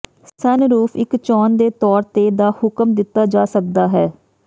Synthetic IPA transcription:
sənɾuːpʰɪkt͡ʃɔːnd̪eːt̪ɔːɾt̪eːd̪aːhʊkəmd̪ɪt̪ːaːd͡ʒaːsək̚d̪aːɦɛː

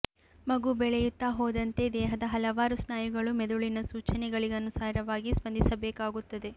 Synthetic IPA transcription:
mɐɡubɛɭɛjut̪ːaɦoːd̪ɐnt̪e̞d̪ɛːɦɐd̪ɐɦɐlɐʋaːɾusnaːjuɡɐɭumed̪uɭinɐsuːt͡ʃɐnɛɡɐɭiɡeɐnusaːɾɐʋaːɡisbɐnd̪isɐbeːkaːɡut̪ːɐd̪e̞

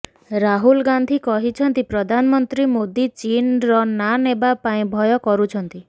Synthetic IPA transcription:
ɾaɦulɡand̪ʱikɔɦit͡ʃʰɔnt̪ipɾɔd̪ʱanɔmɔnt̪ɾimod̪it͡ʃinɾɔnanebapaĩbʱɔjɔkɔɾut͡ʃʰɔnt̪i

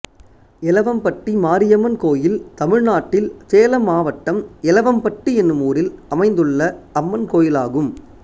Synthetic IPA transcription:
ɛlɐʋɐmpɐʈːimaːɾɪjɐmɐnkoːjɪlt̪ɐmɪɻnaːʈːɪlseːlɐmaːʋɐʈːɐmɛlɐʋɐmpɐʈːiɛnːɯmuːɾɪlɐmɐɪnd̪ɯɭːɐɐmːɐnkoːjɪlaːɣɯm

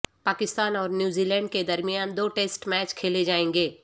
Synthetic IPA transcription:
paːkɪst̪aːnɔːɾnjuːziːlɛ̃ːɳɖ̚ked̪ɐɾmɪjaːnd̪oːʈeːsʈmɛːt͡ʃkʰeːled͡ʒaːẽːŋɡeː

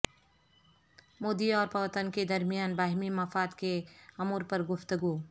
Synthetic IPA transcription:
moːd̪iɔːɾpɐʋət̪ənked̪ɐɾmijaːnbaːɦɪmimɐfaːt̪keɐmuːɾpəɾɡʊfʰt̪əɡuː

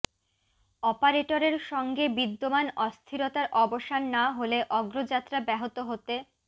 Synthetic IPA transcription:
ɔpaɾeʈoɾeɾʃɔŋɡebid̪ːomanɔst̪ʰiɾot̪aɾʔɔboʃanːaɦoleʔɔɡɾod͡ʑat̪ːɾabɛɦot̪oɦot̪e

